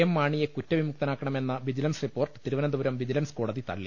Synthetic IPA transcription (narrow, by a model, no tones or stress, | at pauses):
emːaːɳijekutːɐʋimuk̚t̪ɐnaːkːɐɳɐme̞nːɐʋid͡ʑilɐnsripːo̞ːrʈɨ̥t̪iɾuʋɐnɐnd̪ubɐɾɐmʋid͡ʑilɐnsko̞ːɽɐðit̪ɐ̰ɭːḭ